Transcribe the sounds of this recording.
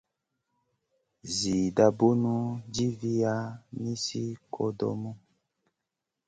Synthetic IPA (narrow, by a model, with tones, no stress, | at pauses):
zi˨da˨bo˦nu˦d͡ʒi˦vi˦ja˦ni˦si˦kʰɔ˦dɔ̰˦mɔ˦